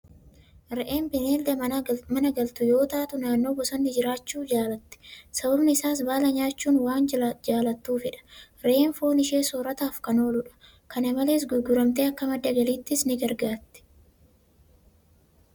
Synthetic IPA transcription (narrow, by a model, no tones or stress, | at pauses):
ɾɛʔe̞ːmbɪneːld̪ɐmɐnɐɡɐlt̪ʊjo̞ːt̪aːt̪ʊnaːnːo̞ːbɔsɐnːɪd͡ʒɪɾaːt͡ʃːuːd͡ʒaːlɐt̪ːɪ̥sɐbɐbnɪɪsaːs̬baːlɐɲaːt͡ʃːuːnwaːnd͡ʒd͡ʒaːlɐt̪ːuːfɪᶑɐ̥ | ɾɛʔeːnfo̞ːnɪʃe̞ːsoːɾɐt̪aːfkɐno̞ːlʊᶑɐ̥ | kɐnɐmɐle̞ːs̬ɡʊɡʊɾɐmt̪eːɐkːɐmɐd̪ːɐɡɐliːt̪ːɪsnɪɡɐɾɡaːt̪ːɪ̥